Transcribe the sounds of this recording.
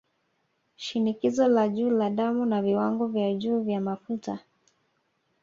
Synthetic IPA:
ʃinikizɔlaʄuːlaɗamunaviwaŋɡɔvjaʄuːvjamafuta

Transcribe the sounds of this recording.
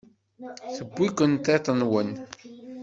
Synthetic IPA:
θəbːikʷənt̪ˤet̪ˤənwən

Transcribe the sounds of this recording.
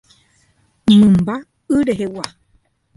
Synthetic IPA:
mɨ̃mba | ɨɾeɦewa

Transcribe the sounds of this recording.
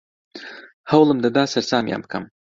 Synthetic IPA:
hawlˠɨmd̪ad̪aːsɐɾsaːmja̰ːmkɐ̰m

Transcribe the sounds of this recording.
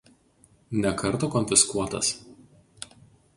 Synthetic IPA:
nʲɛkɐɾt̪oːkɔnʲfʲɪskuɔt̪ɐ̰s

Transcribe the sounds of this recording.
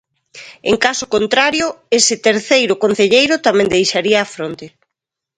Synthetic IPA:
ḛŋkasʊkont̪ɾaɾjʊesɪt̪eɾθejɾʊkon̟θeʎejɾʊt̪amɛ̃nd̪ejʃaɾiɐːfɾont̪e

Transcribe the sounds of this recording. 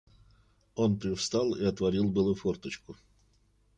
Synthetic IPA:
o̞npɾʲɪfst̪ɑlˠɪɐt̪vɐɾʲilˠbɨlˠʊfort̪ət͡ɕkʊ

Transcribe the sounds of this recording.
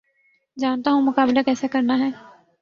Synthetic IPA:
d͡ʒaːnt̪aːɦũːmʊkaːblaːkɛːsaːkəɾnaɦɛː

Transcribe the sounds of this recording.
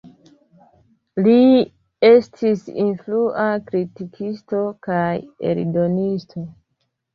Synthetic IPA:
li | e̞stʰisḭnfluʔakɾitikʰisto̞kajḛɾdo̞nistʰo̞

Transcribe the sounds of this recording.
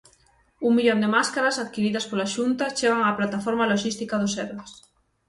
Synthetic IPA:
uŋmiʎond̪emaskaɾasaðkiɾiðɐspolaʃunt̪at͡ʃeɣaŋaplat̪afoɾmaloʃist̪ikað̞ʊsɛɾβes

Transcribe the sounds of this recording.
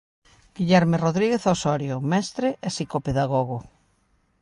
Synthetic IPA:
ɡ̥iʎɛɾmeroðɾiɣeθosɔɾjomɛst̪ɾeʔɛsikopeðaɣoɣ̞o

